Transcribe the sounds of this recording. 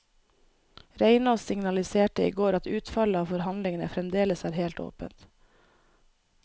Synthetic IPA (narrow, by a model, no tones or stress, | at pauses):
ɾeɪnɑːsɪŋnɑlɪseːʈəḭːɡoːɾɑt̪ʉːt̪fɑləɑːʋfɔɾhɑnd̪lɪŋənəfɾɛmd̪eːləsæːɾheːlt̪o̰ːpə̰nt̪